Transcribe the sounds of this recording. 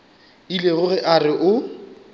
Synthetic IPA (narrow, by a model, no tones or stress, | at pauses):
ileɣʊɣɪʔarɪʔʊ